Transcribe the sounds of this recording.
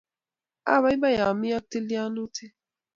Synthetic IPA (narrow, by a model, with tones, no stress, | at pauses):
a̰˦˨βa˨˦i˦ba˦ja˨mi˦a˦te˦li˦a˦nu˦tʰe˦